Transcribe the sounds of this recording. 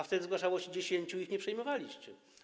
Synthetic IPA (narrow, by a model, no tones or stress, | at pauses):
aft̪ɛd̪ɘzɡwaʂawɔɕɛd͡ʑeɕeɲt͡ɕuixɲɛpʂɛjmɔvalʲiɕt͡ɕɛ